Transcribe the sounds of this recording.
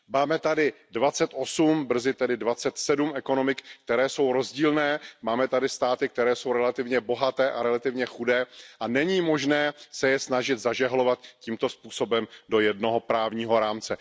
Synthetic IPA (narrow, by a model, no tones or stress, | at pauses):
maːmɛt̪adɪdvat͡sɛt̪ʔo̞sumbr̩zɪt̪ɛdɪdvat͡sɛt̪sɛdumʔɛko̞no̞mɪkk̚t̪ɛɾɛːso̞wɾo̞zɟiːlnɛːmaːmɛt̪adɪst̪aːt̪ɪk̚t̪ɛɾɛːso̞wɾɛlat̪ɪvɲɛbo̞ɦat̪ɛːʔaɾɛlat̪ɪvɲɛxudɛːʔanɛɲiːmo̞ʒnɛːsɛjɛsnaʒɪt̪zaʒɛɦlo̞vat̪ciːmt̪o̞spuːso̞bɛmdo̞jɛdno̞ɦo̞pɾaːvɲiːɦo̞ɾaːmt͡sɛ